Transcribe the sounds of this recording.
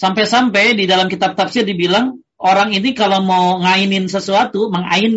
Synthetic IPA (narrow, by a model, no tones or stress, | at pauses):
sampɛjsampɛjdidalamkit̪ap̚t̪apsirdibilaŋ | oɾaŋinikalomawŋainɪnsəsuat̪uməŋa̰ɪn